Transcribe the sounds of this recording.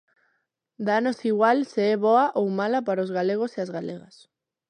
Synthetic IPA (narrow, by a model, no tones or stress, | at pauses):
d̪anosiɣwalseɛβoaʔowmalapaɾaozɣaleɣ̞oseazɣaleɣas